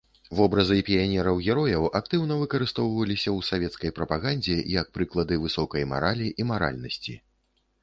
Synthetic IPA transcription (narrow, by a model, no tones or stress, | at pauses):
vɔbɾɐzɨpʲijanʲɛɾɐwɣʲɛɾɔjɐwʔak̚t̪ɨwnɐvɨkɐɾɨst̪ɔwvɐlʲisʲɐwsavʲɛt̪skɐjpɾɐpaɣanʲd͡zʲɛjɐk̚pɾɨklˠɐd̪ɨvɨsɔkɐjma̰ɾalʲiʔimaɾa̰lʲnɐsʲt͡sʲḭ